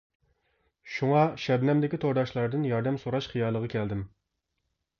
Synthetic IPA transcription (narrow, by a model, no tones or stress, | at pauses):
ʃuŋɑʃɛbnɛmd̪ɪkʲit̪ʰoɾd̪ɑʃlˠɑɾd̪ɨnjɑɾd̪ɛmsoɾɑʃχijɑːlˠəʁɑkʲʰɛld̪ɪm